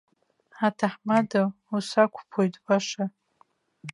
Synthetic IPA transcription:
atʰaħmada | usakʷʰpʰojtʰʼbaʂa

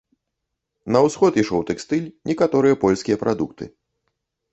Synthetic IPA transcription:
nɐwsxɔt̪iʂɔwt̪ɛkst̪ɨlʲnʲʔɛkat̪ɔɾɨjɐpɔlʲsʲkʲijɐpɾʔad̪ukt̪ɨ̰

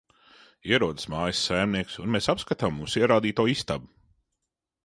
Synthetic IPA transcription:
iɛɾuɔd̪ə̥smaːjəsːajmniɛksunmeːsapskat̪amːuːsiɛɾaːd̪iːt̪uɔist̪abu

